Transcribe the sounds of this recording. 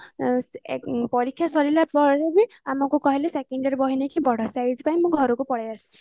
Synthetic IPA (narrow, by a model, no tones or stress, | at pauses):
pɔɾikʰːjasɔɾilapɔɾebiamɔkukɔɦilesekeɳɖɔɾebɔɦinekibɔɽ̤ʱɔsajd͡ʒpaĩmũɡʱɔɾɔkupɔɽajasi̥t͡ʃʰi̥